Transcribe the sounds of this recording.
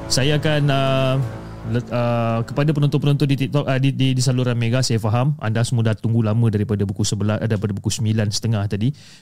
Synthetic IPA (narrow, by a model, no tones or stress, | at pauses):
sajaːkanə | ləəkəpadapənɔnt̪ʊnpənɔnt̪ʊndit̪ik̚t̪ɔk̚dididisaluɾanmeɡasajafaɦama̰ndahsəmudat̪uŋɡulamə̃daɾipadabukusəbəladaɾipadabukusəmilansə̥t̪əŋaht̪adi